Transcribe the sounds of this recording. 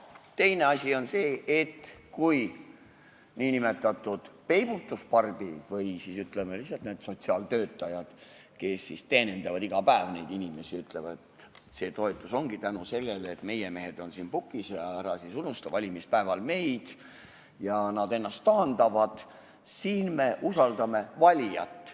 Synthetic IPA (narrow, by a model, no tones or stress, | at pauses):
t̪ejne̞ɑsʲio̞nse̞ːʔːt̪ːkuj | niːnime̞t̪ːˑɑt̪ːˑud̪̥pe̞jb̥ut̪ːˑuspɑrb̥id̪̥vɤjsisyt̪ˑlemelisːɑlt̪ne̞ːd̪̥so̞t̪siɑːlt̪ø̞ːt̪ːˑɑjɑd̪̥ke̞sːist̪eːnend̪̥ɑvɑd̪iɡ̥ɑpæevnejd̪inʲime̞siyt̪ˑle̞vɑet̪ | se̞ːt̪o̞et̪ːˑuso̞ŋɡ̥it̪ænuse̞lːelet̪me̞jeme̞ɦe̞d̪̥o̞nsiːnpukːˑisjɑæɾɑsisunust̪ɑvɑlʲimispæevɑlme̞jd̪̥ | jɑnɑd̪e̞nːɑst̪ːɑːnd̪ɑvɑd̪̥ | siːnme̞ʔusɑld̪ɑme̞vɑlʲijɑt̪ːˑ